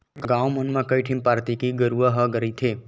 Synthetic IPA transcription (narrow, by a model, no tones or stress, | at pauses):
ɡãwmənmãkəjʈʰĩmpaɾt̪ikiɡəɾuaɦəɡəɾit̪ʰe